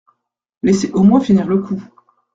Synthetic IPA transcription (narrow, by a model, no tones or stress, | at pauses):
leseʔomwɛ̃finiʁləkʰu